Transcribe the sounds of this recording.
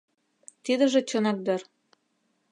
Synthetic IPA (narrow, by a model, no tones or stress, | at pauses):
t̪id̪ə̆ʒĕt͡ɕɤnɑk̚d̪ɤ̆r